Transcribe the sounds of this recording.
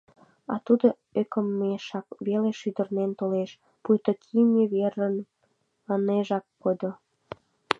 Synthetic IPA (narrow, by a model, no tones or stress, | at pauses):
ɑ̰t̪ud̪o | økəmːeʃɑkβeleʃyd̪ərnent̪oleʃ | pujt̪okʰinʲeβerən | əneʒɑkːod̪o